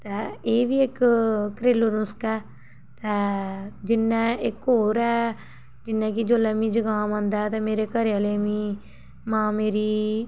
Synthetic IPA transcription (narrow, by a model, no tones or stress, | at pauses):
t̪ɛːeːʋiːɪkkɾeːləɾʊskɛː | t̪ɛːd͡ʒɪnːɛ̃ːɪkoːɾɛː | d͡ʒɪnːɛ̃ːkid͡ʒoːlɛːmĩːd͡ʒəɡaːmãːnd̪aːɛt̪ɛ̃ːmeːɾeːkəɾəleːmĩː | mãːmeːɾiː